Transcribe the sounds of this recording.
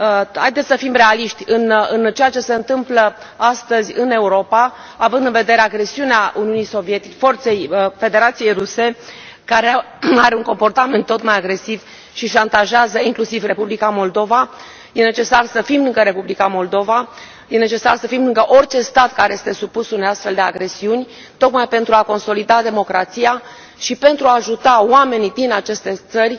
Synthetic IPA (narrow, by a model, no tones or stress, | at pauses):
ha̰jd̪et̪ssəfimre̞aliʃt̪ʲɨnɨnt͡ʃejat͡ʃe̞se̞ɨnt̪ɨmplə | ast̪əzʲɨne̞uɾo̞pa | avɨnd̪ɨnve̞d̪e̞ɾeaɡɾe̞siuneauniunijso̞vie̞t̪it͡ʃfo̞rt̪se̞jfe̞d̪e̞ɾat̪sije̞jruse̞ | kaɾe | aɾe̞uŋko̞mpo̞rt̪ame̞nt̪ːo̞t̪majaɡɾe̞siv | ʃiʃant̪aʒeazəiŋklusivre̞publikamo̞ld̪o̞va | je̞ne̞t͡ʃe̞sarsəfimlɨŋɡəɾe̞publikamo̞ld̪o̞va | je̞ne̞t͡ʃe̞sarsəfimlɨŋɡəʔo̞rʲt͡ʃe̞st̪at̪kaɾeje̞st̪e̞supusunejast̪fe̞ld̪e̞aɡɾe̞siunʲ | t̪o̞kmajpe̞nt̪ɾuako̞nso̞lid̪ad̪e̞mo̞kɾat̪sia | ʃipe̞nt̪ɾuaːʒut̪awame̞nid̪inat͡ʃe̞st̪e̞t̪sərʲ